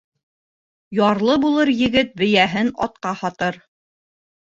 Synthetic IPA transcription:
jɑɾlˠɤbulˠɤɾjɘ̆ɡɘt̪̚bɘ̆jæɦɘnɑ̰t̪̚qɑhɑt̪ɤɾ

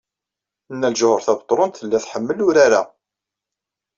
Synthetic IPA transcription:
nːælʒʊhəɾθæbət̪ˤːɾˤont̪θəlːæθħəmːəlʊɾaɾa

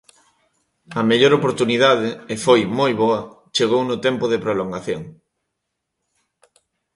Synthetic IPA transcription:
ɐmeʎoɾopoɾt̪uniðaðɪːfojmojβoɐ | t͡ʃeɣownʊt̪ɛmpʊðepɾoloŋɡaθjoŋ

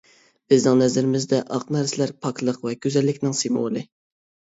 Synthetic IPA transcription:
b̥ɪznɪŋnɛzɪɾɪmɪzd̪ɛʔɑqnæɾsɪlæɾpʰɑkʰlˠəqvɛɡʲøzɛlːɪkʲnɪŋsimolˠɨ

